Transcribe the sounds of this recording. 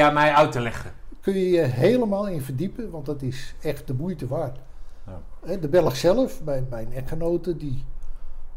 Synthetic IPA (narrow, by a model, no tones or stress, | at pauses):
amɛjœɥtəlɛχəkønjəjəɦeːləmaːlˠɪnfərdipəʋɑntdɔtɪsɛxt̚dəbujtəʋaːr | ɛdəbɛlˠəxsɛlˠəfbɛmɛjənɛχənowtədi